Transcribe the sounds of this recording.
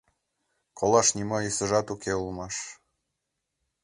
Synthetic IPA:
kʰolɑʃnʲimɑisə̆ʒɑt̪ukʰeulmɑʃ

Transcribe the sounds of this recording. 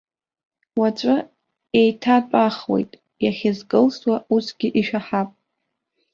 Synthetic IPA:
wat͡ʃʷʼʊ | ejtʰatʷʼaχwe̞̰jtʼ | jaχʲɪzɡɨlswausɡ̥ʲɪʔiʃᶣaħapʼ

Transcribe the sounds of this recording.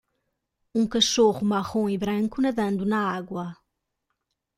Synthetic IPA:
ũkɐʃoʁumaʁõiβɾɐ̃ŋkunɐðɐ̃nd̪unɐaɣwɐ

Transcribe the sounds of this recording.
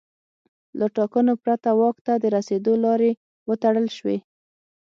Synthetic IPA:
laʈɑkənopɾat̪awɑkt̪ad̪əɾased̪olɑɾe | wət̪aɽəlʃwe

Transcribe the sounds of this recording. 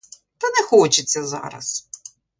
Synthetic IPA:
t̪ɐnɛxɔt͡ʃɪt͡sʲːɐzɑ̰ɾɐ̰s

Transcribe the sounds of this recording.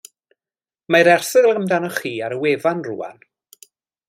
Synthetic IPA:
majɾɛrsəðlˠəmdanɔχiːaɾəweːvanrṵːa̰n

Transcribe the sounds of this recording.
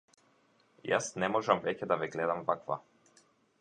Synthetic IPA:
ja̰snɛmɔʒamvɛcɛd̪avɛɡlɛd̪amvakva̰

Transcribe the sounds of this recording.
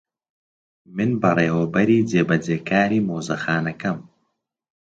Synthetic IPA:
mɨnbɐreːwɐbɐɾiːd͡zeːbɐd͡zeːkʰaːɾiːmoːzɐxaːnɐkɐm

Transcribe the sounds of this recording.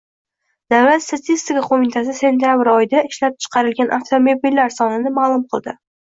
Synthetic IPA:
d̪aalst̪ʰat̪ʰist̪ɪkaqʰomit̪ʰas̬ɪse̞nt̪ijabɾɒjɪd̪aɪʃlap̚t͡ʃʰɨ̥qʰɑɾɪlɡʲanʔaft̪ʰomo̞bilːaɾsɒnɪnɪmaːlˠʊmqʰɨlˠd̪ɪ

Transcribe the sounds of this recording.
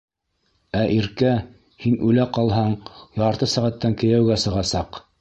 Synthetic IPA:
æʔiɾkæ | hinʉlæqɑlˠɦɑɴjɑɾt̪ɤsæʁæt̪ːæŋkɘ̆jæwɡæsɤ̆ʁɑsɑq

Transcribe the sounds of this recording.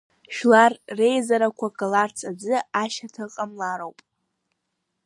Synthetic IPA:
ʃᶣlarːe̞jzaɾakʷʰakʼalart͡sʰad͡zɨaʃatʰɨqʼamlaɾowpʼ

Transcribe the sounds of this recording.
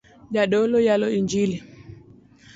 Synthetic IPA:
ʄaɗɔlɔjalɔiɲd͡ʒili

